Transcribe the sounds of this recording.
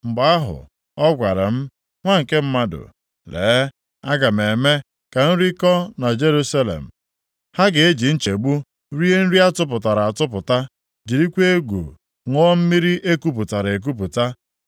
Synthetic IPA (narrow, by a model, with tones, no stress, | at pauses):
ŋ͡m̩˨ɡ͡ba˨˦a˦ɦʊ̰˨ | ɔ˦ɡʷa˨ɾa̰˨m̩˦ | ŋʷa˦ŋ̩˨ke˦m̩˦ma˦dʊ̰˨ | lḛː˨˦ | a˦ɡa˨m̩˨e˨me˦ | ka˨n̩˦ɾi˦kɔ˦na˨d͡ʒe˦ɾu˦sa˦lḛ˨m̩˨ | ha˦ɡɪ˨e˦d͡ʒi˨n̩˦t͡ʃe˨e˨ɡ͡bu˦ | ɾi˦e˦n̩˦ɾi˦a˦tʊ˦pʊ˨ta˨ɾa˨a˨tʊ˦p̬ʊ˨ta˦ | d͡ʒi˨ɾi˦kʷe˦e˦ɡʷṵ˨ | ŋʷɔ˦m̩˦mi˦ɾi˦ʔe˦ku˦p̬ʊ˨ta˨ɾe˨k̬u˦pʊ˨ta˦